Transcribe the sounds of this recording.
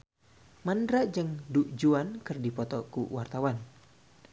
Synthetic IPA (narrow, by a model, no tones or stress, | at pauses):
mandɾad͡ʒəŋduʔd͡ʒuankɨrdipɔt̪ɔkṵwart̪awan